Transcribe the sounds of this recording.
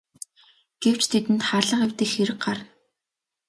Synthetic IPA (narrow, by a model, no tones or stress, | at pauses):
ɡ̥ew̥t͡ɕt̪ʰet̪ɘ̆nt̪χarɮə̆qewt̪ĭːxeɾɘ̆k̚ɢarn